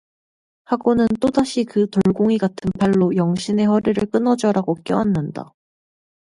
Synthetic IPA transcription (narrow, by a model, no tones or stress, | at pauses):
haɡonɯnt͈odaɕʰikɯtoɭɡoŋiɡatʰɯnpʰaɭːojʌŋɕʰine̞ɸʌɾiɾɯɭk͈ɯnʌd͡ʑʌɾaɡok͈jʌwanːanda̰